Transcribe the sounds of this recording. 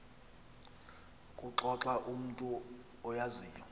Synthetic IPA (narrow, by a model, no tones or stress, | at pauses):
kʼuǁɔǁaʔum̩tʼu | ɔjaziːjɔ